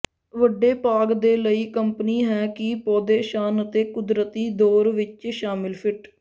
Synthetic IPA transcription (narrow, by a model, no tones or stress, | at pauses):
ʋəɖeːpaːɡd̪eːləiːkəmpniːɦɛːkɪpɔːd̪eːʃaːnət̪eːkʊd̪ɾət̪iːd̪oːɾʋɪt͡ʃʃaːmɪlpʰɪʈ